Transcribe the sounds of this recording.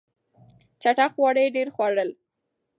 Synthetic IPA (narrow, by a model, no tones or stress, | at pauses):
t͡ʃaʈaxwɑɽəjɖeɾxwaɽəl